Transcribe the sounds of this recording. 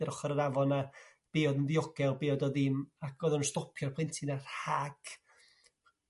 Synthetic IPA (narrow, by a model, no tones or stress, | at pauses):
əɾɔχɔɾənavɔna | b̥eːɔdndiɔɡ̥ɛlˠbeːɔdɔðɪmak̚ʰɔːðɔnunstɔpʰjɔrpʰɪntʰinarhaɡ̥